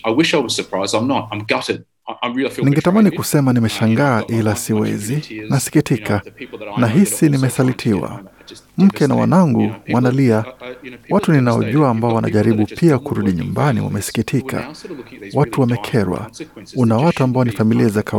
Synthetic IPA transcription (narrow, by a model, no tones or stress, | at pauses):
aɪwɪʃaɪwʌz̥sə˞pʰɹ̥aɪzdãɪ̃mnət̚ãɪ̃mɡʌɾd | ãɪ̃niŋɡɛtamanikusɛmanimɛʃaŋɡaːʔilasiwɛ̰zinasi̥kitikanaɦisinimɛsalitʰiwa̰ | m̩kɛna̰wa̰naŋɡuwanaliawatuninaɔ̰ʄuaːmbaɔwanʔa̰ʄaɾiɓupʰiakuɾuɗiɲṵmbanḭwa̰mɛsi̥kitʰikʰa̰watuwamɛkʰɛɾwa̰unawatuambaɔnifamiliazakʰa